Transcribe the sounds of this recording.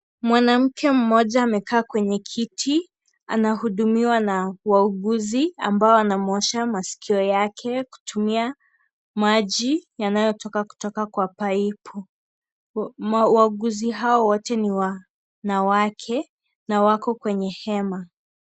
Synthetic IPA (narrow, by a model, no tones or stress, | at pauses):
mwanam̩kʰɛm̩mɔʄaːmɛkʰaːkwɛɲɛkʰitʰi | anahuɗumiwanawauɠuzia̰mbaɔanamɔʃamasi̥kʰiɔjakʰɛku̥tumia | maʄijanajɔtɔkaku̥tɔkakwapaipʰɔ | mauwaɠuziɦaɔwɔtɛniwa | nawakʰɛ | nawakɔkwɛɲɛhɛma